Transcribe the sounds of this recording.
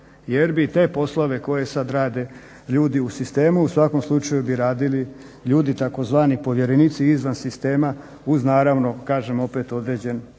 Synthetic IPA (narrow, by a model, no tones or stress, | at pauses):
jeɾbit̪e̞ːpo̞slˠoʋe̞ko̞je̞sad̪ɾaːd̪e̞ | ʎuːd̪iusist̪e̞ːmuusʋako̞mslˠut͡ʃajubiɾaːd̪ili | ʎuːd̪it̪ako̞zʋaːnipo̞ʋjeɾeniːt̪siizʋansist̪e̞ːma | uznaːɾaʋno̞kaːʒe̞mo̞pe̞t̪o̞d̪ɾe̞ːd͡ʑe̞n